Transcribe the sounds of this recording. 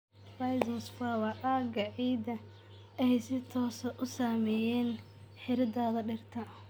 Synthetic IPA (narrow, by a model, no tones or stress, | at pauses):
fajzɐsfawɐʔaɡɐʕiːd̪ɐ | ɛjsɪt̪ʰɔːsɐʔʊsaːmɛːjɛːn | ħɪɾɪd̪aːðɐɖɪrt̪ʰɐ